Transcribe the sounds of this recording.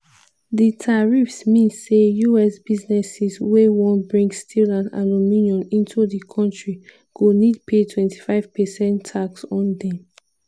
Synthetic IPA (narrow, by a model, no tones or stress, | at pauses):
ditʰaɹifsmĩnːejuɛsbiznɛsiswewɔ̃nbɹĩŋstʰilãna̰nomĩniɔ̃nĩntʰuðikʰɔ̃ntɹi | ɡ̥onid̚pʰetʰwɛ̃nti̥faɪv̥pɛsɛ̃nʰːaksɔ̃ndɛ̃m